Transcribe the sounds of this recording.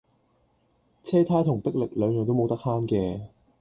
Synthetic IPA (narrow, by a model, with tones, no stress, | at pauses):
t͡sʰɛː˥t̪ʰaː˥t̪ʰʊ˨˩ŋpɪ˥k̚lɪ˨k̚lœː˨˧ŋjɔ˨ŋt̪o˥wmo˨˧wt̪ɐ˥k̚haː˥nkɛː˧